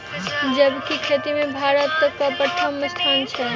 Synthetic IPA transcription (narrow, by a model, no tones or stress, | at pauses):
d͡ʒəbkikʰet̪imebʱaɾət̪ːəkapɾət̪ʰəmːəst̪ʰant͡ʃʰɛ